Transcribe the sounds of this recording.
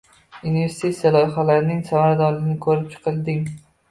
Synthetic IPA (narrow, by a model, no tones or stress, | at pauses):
unive̞ɾst̪ʰʲet̪sijalˠɒjχalaɾnɪŋsamaɾd̪ɒlɪnɪkʰɵɾɪp̚t͡ʃʰɨ̥qʰɨlˠd̪ɪŋ